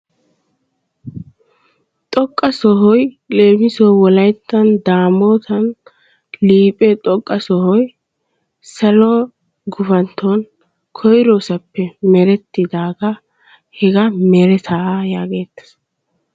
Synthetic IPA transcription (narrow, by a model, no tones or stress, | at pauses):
t̪ʼɔkʼːɐsɔɦɔj | le̞ːmɪsowɔlɐjt̪ːɐnd̪aːmoːt̪ʰɐn | liːpʼɛt̪ʼɔkʼːɐsɔhɔj | sɐlɔ | ɡʊfɐnt̪ʰːɔn | kʰɔjɾoːsɐpːɛmɛɾɛt̪ːɪd̪aːɡɐ | hɛɡɐmɛɾɛt̪ʰajaːɡe̞ːt̪ːɐ̥s